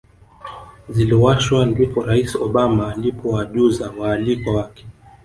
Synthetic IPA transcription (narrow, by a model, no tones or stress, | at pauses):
ziliwaʃwandukɔɾaisɔɓamaːlipʰɔwaʄuzawaːlikɔwakɛ̥